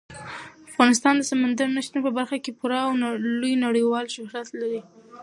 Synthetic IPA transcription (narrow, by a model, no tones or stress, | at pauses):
afɣɑnɪs̬t̪ɑnd̪əsamand̪aɾnaʃnopəbaɾxakepuɾɑːwnlujnaɽəjwɑlʃʊɦɾat̪laɾi